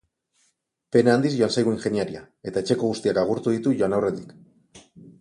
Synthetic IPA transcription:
pe̞naand̪izʝo̞ansajɣuinxe̞niaɾia̰ | e̞t̪ae̞t͡ʃe̞ko̞ɣ̞ust̪iakaɣuɾt̪uðit̪uʝo̞anawre̞t̪ik

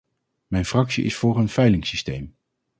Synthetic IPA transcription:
mɛjnfrɑksḭʔɪ̰sfʊːrənfɛjlɪŋsistejm

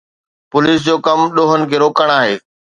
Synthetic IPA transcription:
pʊliːs̬d͡ʑoːkɐmɗoːɦənɪ̆kʰeːɾoːkəɽ̃aːɦeː

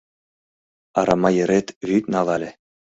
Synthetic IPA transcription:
ɑɾɑmɑjɘ̆ɾet̪βyt̪nɑlɑlʲĕ

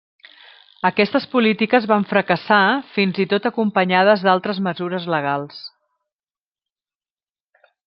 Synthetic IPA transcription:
əkɛst̪əspulit̪ikəzβaɱfɾəkəsafinzit̪ot̪əkumpəɲað̞əzðalˠt̪ɾəzməzuɾəzləɣ̞alˠs

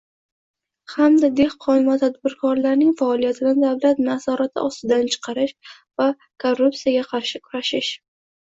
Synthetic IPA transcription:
hamd̪ad̪e̞hqʰɒɪmat̪ʰad̪̚bɪɾkʰɒɾlaɾnɪŋfaɒlijat̪ʰɪd̪and̪avlat̪nasɒɾat̪ʰɪ̰ʔɒst̪ɪd̪ant͡ʃʰɨ̥qʰɑɾɪʃ | va | kʰorːup̚t̪sijaɡʲaqʰɑɾʃɪkʰʊɾaʃɪʃ

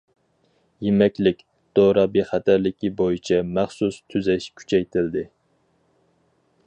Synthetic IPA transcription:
jemɛkʲlɪkʲ | d̪̥oɾɑbeχæt̪ʰæɾlɪkʲibojit͡ʃʰɛmæχsust̪ʰyzɛʃkʲʰy̥t͡ʃʰɛjt̪ʰɪld̪ɪ

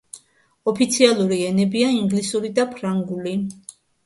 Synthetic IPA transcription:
ɔpʰit̪sʰialˠuɾiɛnɛbiaiŋɡlisuɾid̪apʰɾaŋɡuli

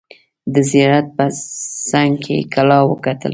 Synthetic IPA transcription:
d̪əzijɑɾat̪̚pəsaŋɡkʰḛkʰalɑwəkat̪ə̰l

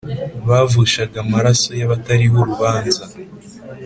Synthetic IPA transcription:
βavuʃaɡamaɾaso̞jaβataɾiɦo̞ɾuβaːnza

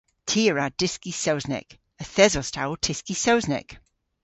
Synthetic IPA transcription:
tʰiːəɹad̥ɪskisowznɛ̰k | əθɛzɔstʰawlˠtʰɪskisowznɛ̰k

